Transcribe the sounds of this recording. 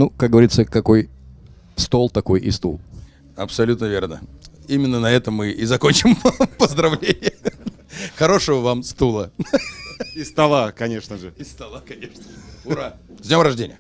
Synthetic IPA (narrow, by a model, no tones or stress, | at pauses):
nukak̚ɡəvɐɾʲit̪səkɐko̞j | st̪o̞lˠt̪ɐko̞jʔɪ̰st̪ṵlˠ | ɐpsɐlʲut̪nəvʲernə̰ | imʲɪnːənɐɛt̪əmːɨʔɪzɐkonʲt͡ɕɪmpəzd̪ɾɐvlʲenʲɪjə | xɐɾo̞ʂəvəvamst̪ulˠə | ɪst̪ɐlˠakɐnʲeʂnəʐɨɪst̪ɐlˠakɐnʲeʂnəʊɾa | zʲnʲo̞mɾɐʐdʲenʲɪjə